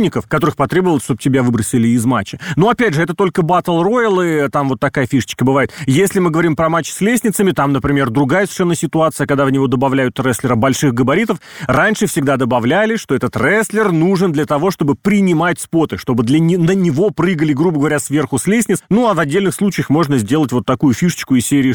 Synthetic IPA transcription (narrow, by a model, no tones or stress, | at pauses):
nʲɪkəfkɐt̪o̞ɾɨxpɐt̪ɾʲe̞bəvəlˠsʂt̪o̞b̚tʲɪbʲavɨbɾəsʲɪlʲɪːzma̰t͡ɕːɪnoɐpʲædʲʐɨɛt̪ət̪o̞lʲkəbat̪əlˠro̞ɪlˠɨt̪amvo̞t̪ːɐkajəfʲiʂə̥t͡ɕkəbɨvajɪt̪jesʲlʲɪmɨɡəvɐɾʲimpɾɐmat͡ɕːsʲlʲesʲnʲɪt̪səmʲɪt̪amnəpɾʲɪmʲe̞rd̪ɾʊɡajəsv̥ʲɪ̥ʂɛnːəsʲɪt̪ʊat̪sɨjəkɐɡd̪avnʲɪvo̞d̪əbɐvlʲæjʊt̪rɛsʲlʲɪɾəbɐlʲʂɨxɡəbɐɾʲit̪əfranʲʂɨfsʲɪɡ̚d̪ad̪əbɐvlʲælʲɪʂt̪o̞ɛt̪ət̪rɛsʲlʲɪrnuʐɨnd̪lʲət̪ɐvo̞ʂt̪o̞bɨpɾʲɪnʲɪmatʲspo̞t̪ɨʂt̪o̞bɨd̪lʲənʲɪnənʲɪvo̞pɾɨɡəlʲɪɡrubəɡəvɐɾʲasvʲe̞rxʊsʲlʲesʲnʲɪt̪snuavɐdʲːelʲnɨxslˠut͡ɕɪjəxmo̞ʐnəzʲdʲe̞lˠətʲvo̞t̪ːɐkujʊfʲiʂə̥t͡ɕkʊɪsʲeɾʲɪː